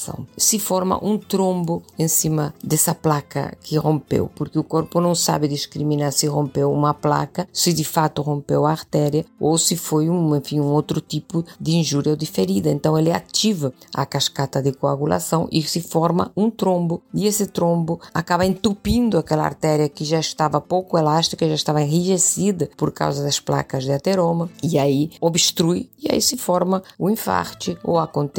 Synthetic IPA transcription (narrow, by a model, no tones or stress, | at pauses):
sɐ̰̃w̃sɪfɔɾmɐ̰ʔũnt̪ɾõmbʊẽnsimɐd̪esɐplakɐ̰kʰɪrõmpḛwpoɾkeʊkoɾpʊnɐ̃w̃sa̰bɪd̪iskɾimĩnaɾsirõmpewumɐpla̰kɐsɪd̪ifat̪ʊrõmpewaːɾt̪ɛɾjɐowsifojũẽfĩŋũowt̪ɾʊt̪ipʊd̪ĩnʒuɾjɐwd̪ifeɾid̪ɐẽnt̪ɐ̃w̃elɪa̰t͡ʃ̪ivɐɐ̰kaskat̪ɐd̪ɪkoa̰ɣula̰sɐ̃w̃ʔḭsɪfɔɾmɐ̰ũt̪ɾõmbʊiesɪt̪ɾõmbʊakabβɐẽnt̪upĩnd̪ʊakɛlɐa̰ɾt̪ɛɾjɐkɪʒaest̪avɐpowkʊelaʃt̪i̥kɐʒaeʃt̪avɐẽhiʒesid̪ɐpoɾka̰wzɐd̪ɐspla̰kɐzd̪ɪat̪eɾõmɐiaiobst̪ɾujia̰ḭsɪfɔɾmɐuĩfa̰ɾt͡ʃɪo̰akõnt̪